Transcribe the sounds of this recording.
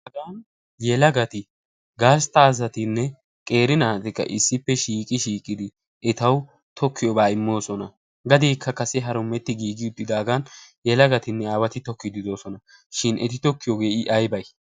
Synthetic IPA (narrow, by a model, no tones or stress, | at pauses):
ʔɐɡaːn | jɛlɐɡɐt̪ɪ | ɡaːst̪aːzɐt̪ɪnːɛ | kʼe̞ːɾɪnaːt̪ɪkːɐ̰ʔɪsːɪpːɛʃiːkʼɪʃiːkʼːɪd̪ɪ | ɛt̪ɐw | t̪ʰɔkʰːɪjɔbaːɪmːo̞ːsɔnɐ | ɡɐd̪eːkʰːɐkɐsɛɦɐɾʊmːɛt̪ːɪɡiːɡɪʊt̪ːɪd̪aːɡanjɛlɐɡɐt̪ɪnːɛaːwɐt̪ɪt̪ɔkːɪd̪ɪd̪o̞ːsɔnɐ | ʃɪnʔɛt̪ɪt̪ɔkːɪjɔɡe̞ːɪʔɐjbɐj